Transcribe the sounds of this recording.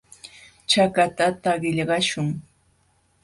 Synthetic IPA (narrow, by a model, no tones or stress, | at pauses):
t͡ʃakat̪at̪aɢɪʎɢɑʃʊŋ